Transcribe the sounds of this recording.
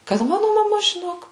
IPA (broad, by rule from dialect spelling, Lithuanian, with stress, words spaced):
kɐt ˈmɑːnʊ mɐˈmɐ ʒʲɪˈnoːk